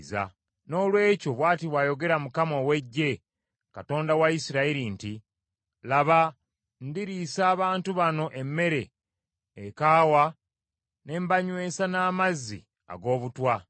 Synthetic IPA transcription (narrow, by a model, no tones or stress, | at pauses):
za̰ | no̞ːlwe̞ːco̞βwaːtiβwaːjo̞ɡe̞ɾamukamo̞we̞ɟːe̞ | kato̞ːndawaisiɾaiɾinti | laβa | ndiɾiːsaːβaːntuβano̞ʔe̞mːe̞ɾe̞ː | kaːwa | ne̞ːmbaɲwe̞ːsanaːmazːḭ | a̰ɡo̞ːβutwa